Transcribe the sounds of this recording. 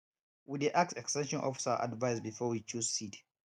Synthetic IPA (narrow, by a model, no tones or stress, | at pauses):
wideʔak̚sɛkstɛ̃nʃɔ̃nʔɔ̰fi̥səʔa̰dvaɪsbifɔwit͡ʃuzsit